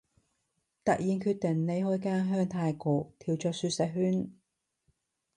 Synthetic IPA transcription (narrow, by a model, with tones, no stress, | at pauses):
t̪ɐ˨k̚jiː˨nkʰyː˧t̪̚ɪ˨˩ŋne˨˧jhɔː˥jkaː˥ŋɦœː˥ŋt̪ʰaː˧jkɔː˨˧t̪ʰiː˨˩wt͡ʃœː˧k̚syː˧t̚sɛ˨˥k̚ɦyː˥n